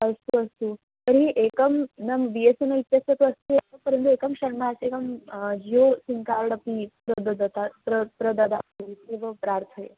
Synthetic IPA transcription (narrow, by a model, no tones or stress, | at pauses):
ɐst̪uɐst̪u | t̪əɾɦiʔekəmnɐmʋiesunɐʋit̪jɐsɐt̪uɐst̪ueɐpəɾənt̪̬uekɐmʃɐɾmaːsekɐmd͡ʒiosiŋkaɾɽɐpipɾəd̪ɐd̪t̪apɾəpɾɐd̪ɐd̪apiseʋɐpɾaːɾt̪ʰəe